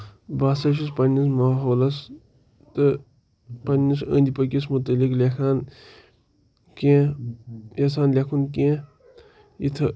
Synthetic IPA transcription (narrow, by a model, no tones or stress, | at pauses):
baːsɐʃ̬us̬pɐnːismaːɦoːlɐs | t̪ɨ | pɐnʲːisə̰̃nʲd̪ʲipɐkʲis̬mut̪ɐliklekʰaːn | kẽː | jɐsaːnlʲekʰunkẽː | it̪ʰ